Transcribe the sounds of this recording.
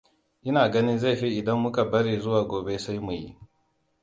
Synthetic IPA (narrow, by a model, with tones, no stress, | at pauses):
ʔɪ˦naː˨ɡɐ˦ni˦nza˦˨ɸi˦ʔɪ˨dɐ˦mːʊ˦ka˨bɐ˦ɾiː˨zʊ˦waː˨ɡʷoː˨be˦sa˦jmu˨jḭ˦ʔ